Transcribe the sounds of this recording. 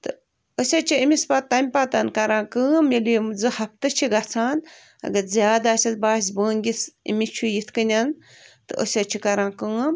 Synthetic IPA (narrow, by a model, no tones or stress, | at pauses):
t̪ɨ | əsʲɐt͡ʃʰiimʲispat̪ːɐmʲpaːt̪ɐnkɐɾãːkəːmjɐlimzɨhɐp̚t̪ɨt͡ʃʰiɡɐt͡sʰaːn | ɐ̰ɡɐɾzʲjaːd̪aːsʲɐsbaːs̬ʲbəːnɡʲisḭmʲit͡ʃʰujit̪ʰkɨnʲɐn | t̪ɨʔə̰sʲɐt͡ʃʰikɐɾãːkəːm